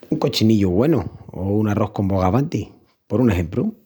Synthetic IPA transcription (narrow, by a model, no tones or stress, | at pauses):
uŋko̞t͡ʃiniʎuɣwe̞nuounaro̞hko̞mbo̞ɣaβant̪i | po̞ɾuneɦe̞mpɾu